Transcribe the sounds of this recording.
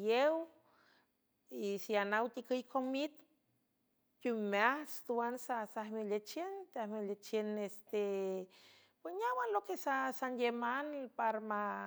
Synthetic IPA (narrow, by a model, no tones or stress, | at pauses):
jew | isianawt̪ikɨjkʰomit̪ | kumeahst̪uwansasahmelet͡ʃent̪ahmelet͡ʃenest̪e | pwesɲawanlokesasanjemanpaɾma